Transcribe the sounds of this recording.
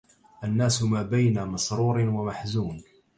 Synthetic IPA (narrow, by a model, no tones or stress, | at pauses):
ʔanːaːsʊmaːbajnaːmɑsɾuːɾnwamaħzuːn